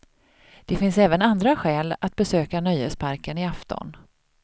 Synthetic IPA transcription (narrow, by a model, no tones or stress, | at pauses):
d̪̥ɛfɪnsɛːvənand̪ɾaɧɛːlat̪̚bɛsøːkanœjhɛspʰaɾkənɪaft̪ɔ̰n